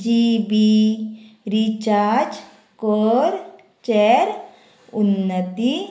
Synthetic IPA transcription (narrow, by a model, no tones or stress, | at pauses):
d͡ʒibi | ɾit͡ʃaɾd͡ʒ | koɾ | t͡ʃeɾ | unːət̪i